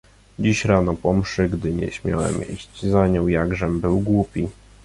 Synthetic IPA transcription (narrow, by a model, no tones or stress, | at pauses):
d͡ʑiɕɾanɔpɔmʂɘɡd̪ɘɲɛ̰ɕmʲja̰wɛ̰mḭɕt͡ɕzaɲɔ̃w̃jaɡʐɛmbɘwɡwupʲi